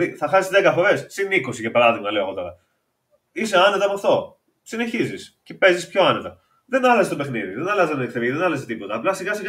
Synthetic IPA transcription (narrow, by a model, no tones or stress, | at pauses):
iθɐxɐsizðekɐfo̞ɾe̞ssiniko̞sicepɐɾɐðiɣmɐleoɣo̞t̪o̞ɾɐ | ise̞ɐnet̪ɐmft̪o̞ | sine̞çizisce̞pe̞zispço̞ɐne̞t̪ɐ | ðe̞nɐlɐzest̪ope̞xniðiðenɐlɐzzɐnekθeviðenɐlɐzet̪ipo̞t̪ɐːplɐsiɣɐsiɣ